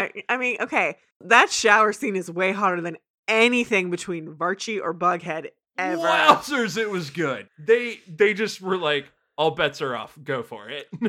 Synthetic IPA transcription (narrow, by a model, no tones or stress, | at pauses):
aɪmĩnʔo̰ʊkʰeɪ | ðɨtʃaʊə˞sĩnɨzweɪɦɑɹɾə˞ðɨ̃n | ɛniθɪ̃ŋbɨtʰw̥ĩnvɑɹt͡ʃiʔə˞bʌɡɦɛɾ | ɛvə˞sə˞zɪt̚wʌzɡʊd̥̚ðeɪðeɪd͡ʒʌst̚wə˞laɪk | alˠbɛtsə˞ɔ̰fɡ̥oʊfə̰˞ɪt̚